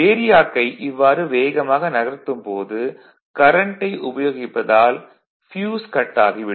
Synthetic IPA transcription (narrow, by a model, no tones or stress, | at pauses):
eːɾɪjaːkːɐɪʔɪʋːaːɾɯʋeːɣɐmaːɣɐnɐɣɐɾt̪ːɯmpoːðɯ | kɐɾɐɳʈːɐɪʔʊbɐjoːɣɪpːɐðaːl | fjuːskɐʈːaːɣiʋɪ